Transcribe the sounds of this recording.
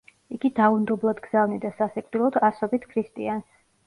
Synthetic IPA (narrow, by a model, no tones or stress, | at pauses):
iɡid̪aund̪ɔblˠad̪ɡz̥avnid̪asasɛkʼd̪ilˠɔd̪asɔbit̪ʰkʰɾist̪ʼians